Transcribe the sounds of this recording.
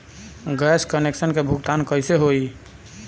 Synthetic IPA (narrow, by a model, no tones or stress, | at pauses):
ɡɛskəneksənkebʱukt̪ankəɪseɦoi